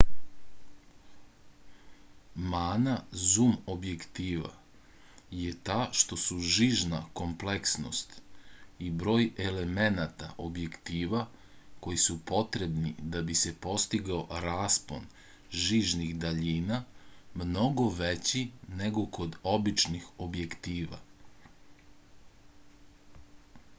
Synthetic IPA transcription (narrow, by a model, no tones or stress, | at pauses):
maːnazumobje̞kt̪iːʋa̰ | je̞t̪aːʃt̪o̞suʒiːʒnako̞mple̞ksno̞̰st̪ibɾo̞ːje̞le̞me̞nat̪a̰ʔobje̞kt̪iːʋa | ko̞jisupo̞t̪ɾebnid̪abisepo̞st̪iɡaoɾaːspo̞̰n | ʒiːʒniɣd̪aʎiːnamno̞ɡo̞ʋet͡ɕine̞ɡo̞ko̞d̪o̞bit͡ʃnixo̞bje̞kt̪iːʋa̰